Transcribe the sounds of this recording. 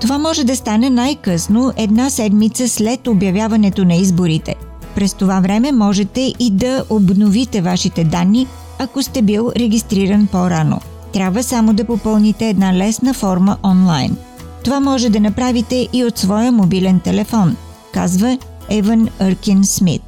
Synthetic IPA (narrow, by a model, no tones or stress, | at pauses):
t̪ovamɔʒɛd̪ɐst̪anɛnajkɤsnoʔɛd̪nasɛd̪mit̪səslɛt̪objɐvʲjavɐnɛt̪onɐizboɾit̪ɛ̰ | pɾɛst̪ovavɾɛmɛmɔʒɛt̪ɛʔid̪ɐʔobnovit̪ɛvaʃit̪ɛd̪anːi | ɐkost̪ɛbilˠɾɛɡʲist̪ɾiɾənpoɾano̰ | t̪ɾʲabvəsamod̪ɐpopɤlˠnit̪ɛːd̪nalɛsnəfɔɾməʔɔnlˠa̰jn | t̪ovamɔʒɛd̪ɐnɐpɾavit̪ɛʔiot̪svɔjəmobilɛnt̪ɛlɛfɔn | ka̰zvə | ɛvənəɾkinsmḭt̪